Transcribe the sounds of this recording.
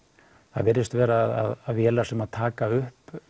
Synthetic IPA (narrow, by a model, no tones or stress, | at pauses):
θa̰ðvɪɾɪst̪vɛːɾaða̰ðaðvjɛːlasɛmaðt̪ʰaːkaʏhp